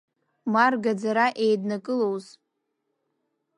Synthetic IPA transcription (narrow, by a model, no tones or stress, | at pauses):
marɡad͡zaɾaʔejdnakʼɨlowz